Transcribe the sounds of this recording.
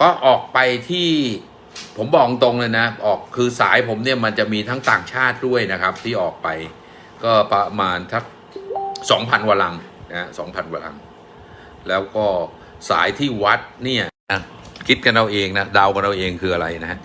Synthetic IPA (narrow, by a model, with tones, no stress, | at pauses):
kɔː˥˩ʔɔː˨˩k̚pa˧jt̪ʰiː˥˩ | pʰo˩˦mbɔː˨˩ŋt̪o˧ŋlɤː˧jna˦˥ʔɔː˨˩kʰːɯː˧saː˩˦jpʰo˩˦mni˥˩ɐma˧nt͡ɕa˨˩ʔmiː˧t̪ʰaː˦˥ŋt̪aː˨˩ŋt͡ɕʰaː˥˩t̪̚du˥˩əjna˦˥kʰa˦˥p̚t̪ʰiː˥˩ʔɔː˨˩k̚pa˧j | kɔː˥˩pa˧maː˧nt̪ʰa˦˥k̚ | sɔː˩˦ŋpʰa˧nwaː˧la˧ŋ | na˦˥ha˦˥sɔ̰ː˩˦ŋpʰa˧nwaː˧la̰˧ŋ | lɛː˦˥wkɔː˥˩ | sa̰ː˩˦jt̪ʰiː˥˩wa˦˥t̪̚ni˥˩ɐna˦˥ | kʰi˦˥t̪̚ka˧nda˧wʔeː˧ŋna˦˥da˧wka˧nda˧wʔeː˧ŋkʰɯː˧ʔa˧ɾa˧jna˦˥ɦa˦˥ʔ